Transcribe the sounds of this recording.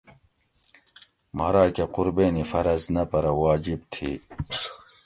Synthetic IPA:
mɐɾaːkequɾbeːnifɐɾɐznɐpɐɾɐwaːd͡ʑib̚t̪ʰḭː

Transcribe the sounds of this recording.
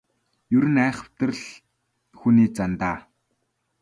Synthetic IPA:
jɵɾɘ̆næːχə̆w̥t̪ə̆rɮ | xuniːt͡sant̪aː

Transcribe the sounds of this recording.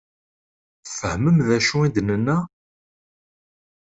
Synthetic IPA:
fəhməmðæʃuid̪nənːæ

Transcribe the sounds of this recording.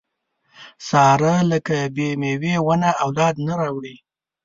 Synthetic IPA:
sɑɾaləkabemewewanaawlɑd̪naɾɑwɽi

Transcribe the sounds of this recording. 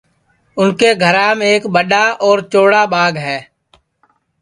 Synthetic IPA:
ʊnkeːɡʱəɾãːmeeːkɓəɗaːʔɔːɾt͡ʃoːɽaːɓaːɡɦɛː

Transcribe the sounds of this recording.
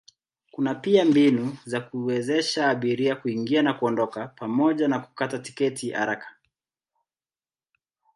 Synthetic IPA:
kunapiambinuzakuwɛzɛʃaːɓiɾiakuiŋɡianakuɔndɔkapamɔʄanaku̥katati̥kɛtʰiha̰ɾakḁ

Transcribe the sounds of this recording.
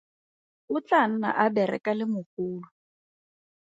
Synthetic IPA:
ʊt͡ɬan̩na̰ʔabɛɾɛ̰kʼalɪmʊχuːlʊ

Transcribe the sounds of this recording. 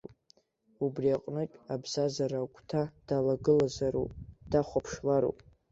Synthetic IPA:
ubriaqʼnɨpʲʼabz̥azaɾakʷʰʼtʰad̥alaɡɨlazaɾṵpʼd̥aχʷapʰʂlaɾo̰pʼ

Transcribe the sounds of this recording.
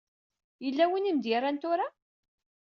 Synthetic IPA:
jəlːæwinimd̪jɪrˤant̪ʊɾa

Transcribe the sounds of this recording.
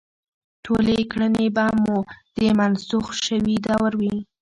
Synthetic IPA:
ʈʰolekɽənebamud̪̥əmansuxʃəwid̪awɾwi

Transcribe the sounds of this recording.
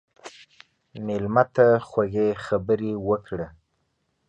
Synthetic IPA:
mɪlmat̪axwaɣexabəɾewəkɽa

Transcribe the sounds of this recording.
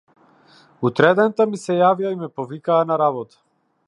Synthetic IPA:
ut̪ɾɛd̪ɛnt̪amisɛjavijaimɛpɔvikaːnaɾabɔt̪ḁ

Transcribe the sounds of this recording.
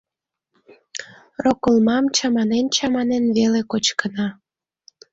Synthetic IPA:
rokəlmɑmt͡ɕɑmɑnent͡ɕɑmɑnenβelekot͡ɕkənɑ

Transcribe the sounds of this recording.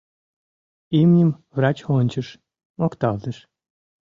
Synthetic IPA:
imnʲəmvrɑt͡ɕhonʲt͡ɕə̆ʃ | mokt̪ɑlt̪ə̆ʃ

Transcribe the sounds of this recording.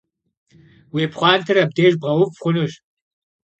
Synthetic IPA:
weːpχʷɑːntʰɨɾɐb̚deːʒbʁɐwʊpχʷʊnuɕ

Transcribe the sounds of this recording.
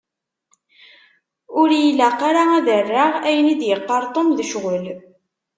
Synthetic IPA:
ʊɾjilːæqːaɾaæðərːaʁæjənid̪jəqːɑɾˤt̪ˤomðəʃʁəl

